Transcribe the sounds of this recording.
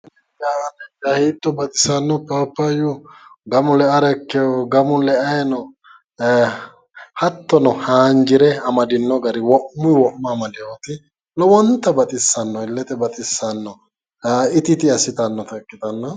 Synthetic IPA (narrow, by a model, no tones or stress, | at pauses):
nɛ | ɛaɐnɐkːɐhiːt̪ːɔbɐt̪ʼɪ̥sɐnːɔpaːpːɐjʊɡɐmʊlɛɐɾɛkːɛɔɡɐmʊlɛɐjnɔ | hɐt̪ːɔnɔhaːnd͡ʒɪɾɛɐmɐd̪ɪnːɔɡɐɾɪwɔʔmʊjwɔʔmːaːmɐd̪ɪjɐɔt̪ɪ | lɔwɔnt̪ːɐbɐt̪ʼɪsːɐnːɔɪlːɛt̪ɛbɐt̪ʼɪsːɐnːɔ | ɪt̪ɪt̪ɪɐsɪt̪ɐnːɔt̪ɐkʼːɪt̪ɐnːɔ